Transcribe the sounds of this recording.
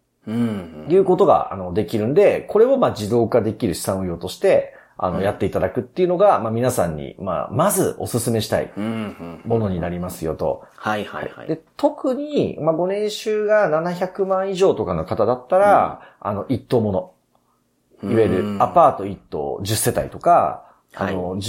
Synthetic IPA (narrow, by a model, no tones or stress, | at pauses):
jɯ̟ːko̞t̪o̞ɡa̰a̰no̞d̪e̞kʲiɾɯ̟̃nd̪e̞kʰo̞ɾe̞o̞maːd͡ʑid̪o̞ːkad̪e̞kʲiɾɯ̟ɕi̥sãɰ̃ojo̞ːt̪o̞ɕi̥t̪e̞ | a̰no̞̰jat̪ːe̞it̪ad̪akɯ̟t̪ːe̞iɯ̟no̞ɡamamʲinasãɲ̟ːḭma̰mazɨo̞sɨsɨme̞ɕi̥t̪a̰ḭ | mo̞no̞ɲ̟inaɾʲimasɨjo̞̰t̪o̞̰ | haha̰ḭa̰d̪e̞t̪o̞kɯ̟ɲ̟imaɡo̞nẽ̞ɰ̃ɕɨːɡananaçakɯ̟mãɰ̃iʑo̞ːt̪o̞kano̞kat̪ad̪at̪ːaɾaa̰no̞ʔit̪ːo̞ːmo̞no̞ | iβaeɾɯ̟apaːt̪o̞it̪ːo̞̰ːʑɨsːe̞t̪a̰it̪o̞ka̰ | ano